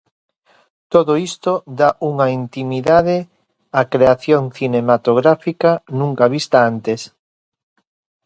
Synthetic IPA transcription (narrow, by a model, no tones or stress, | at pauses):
t̪oðoist̪od̪aʔuŋaint̪imiðaðe | akɾeaθjoŋθinemat̪oɣɾafikanũŋkaβist̪aant̪es